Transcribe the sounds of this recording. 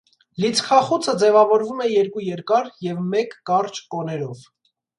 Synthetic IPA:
lit͡sʰkʰɑχut͡sʰəd͡zɛvɑvɔɾvumɛjɛɾkujɛɾkɑɾjɛvmɛkːɑrt͡ʃkɔnɛɾɔv

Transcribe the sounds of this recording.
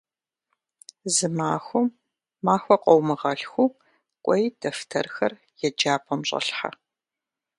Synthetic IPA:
zɨmaːxʷʊmː | aːxʷɔqʷʼɔwmɨʁɐɬxʷu | kʷʼɔjdɐftʰɐrxɐ̰r | jɛd͡ʒaːpʰɔmɕʼɐ̰ɬħa̰

